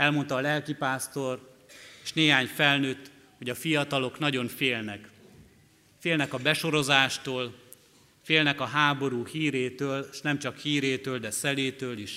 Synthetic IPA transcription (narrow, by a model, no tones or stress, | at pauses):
ɛlmo̞nt̪ɒːlɛlkipaːst̪o̞r | eːʃneːɦaːɲfɛlnøːt̪ː | ho̞ɟɒfijɒt̪ɒlo̞knɒɟo̞nfeːlnɛk | feːlnɛkɒbɛʃo̞ɾo̞zaːʃt̪oːl | feːlnɛkɒɦaːbo̞ɾuːhiːɾeːt̪øːlʃnɛmt͡ʃɒkhiːɾeːt̪øːld̪ɛsɛleːt̪øːliʃ